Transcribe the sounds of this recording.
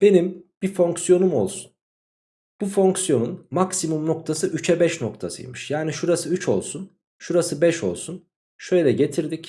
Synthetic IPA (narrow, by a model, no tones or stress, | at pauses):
b̥e̞nimb̥ifo̞ŋksjo̞numo̞̰lˠsu̥n | b̥ufo̞ŋksjo̞nunmaksimumno̞k̚t̪ʰasɯʔyt͡ʃʰɛbɛʃno̞k̚t̪ʰasɯ̰jmɯʃjaːniʃuɾasɯyt͡ʃʰo̞̰lˠsun | ʃuɾasɯbɛʃo̞̰lˠsun | ʃø̞jlʲɛɟe̞t̪ʰiɾd̪ic